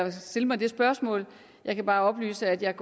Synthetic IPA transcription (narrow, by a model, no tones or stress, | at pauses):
steləmɑ̈ɪd̥e̝sb̥ɶɐsmɔ̰̽ːl | jɑ̈ɪkʰæb̥ɑ̈ːɒ̽b̥ly̰ːsəæd̥jɑ̈k